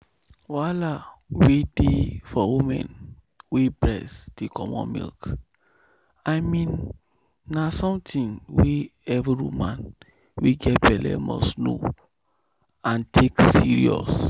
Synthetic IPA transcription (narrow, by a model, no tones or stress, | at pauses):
walawedefɔwimɛ̰̃n | webɹɛsd̥ekʰɔmɔ̰̃nmḭlk | aɪmĩnː | asɔ̃mtʰĩŋweɛviɹumãn | weɡɛt̚bɛlɛ̰mɔ̰sno | ãntʰeksiɹḭɔ̰s